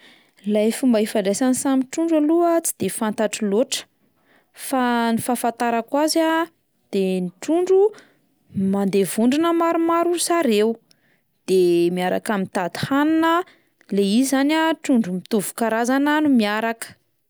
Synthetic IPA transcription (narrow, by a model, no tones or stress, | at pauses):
lajfumbəɦifaɳɖ͡ʐajsansamiʈ͡ʂuɳɖ͡ʐaluət͡si̥d̪̥efant̪aʈ͡ʂiloʈ͡ʂə̥ | fanifafant̪aɾakwaza | d̪̥eniʈ͡ʂuɳɖ͡ʐu | mand̪evuɳɖ͡ʐinəmaɾumaɾusaɾew | d̪̥emiaɾa̰kamint̪at̪u̥hananə | leizanaʈ͡ʂuɳɖ͡ʐumit̪uvu̥kaɾazananumiaɾakə̥